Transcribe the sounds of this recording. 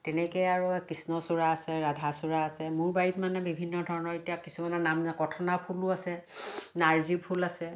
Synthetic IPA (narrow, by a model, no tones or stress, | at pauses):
tɛnɛkɛjaɹukisnɔsuɹaːsɛɹadʱasuɹaːsɛmʊɹbaɹitmanɛbibʱinːɔdʱɔɹɔnɔɹetijakisumanɔnamkɔtʰɔnapʰulʊasɛnaɹzipʰulasɛ